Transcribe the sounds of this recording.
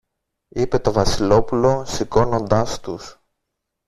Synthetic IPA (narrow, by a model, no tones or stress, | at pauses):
ipe̞t̪o̞vɐsilo̞pulo̞siko̞no̞nd̪ɐst̪us